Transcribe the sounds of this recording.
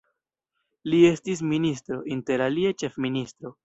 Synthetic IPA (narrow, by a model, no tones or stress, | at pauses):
lie̞stis̬ministɾo̞ʔinte̞ɾaliat͡ʃe̞fministɾo̞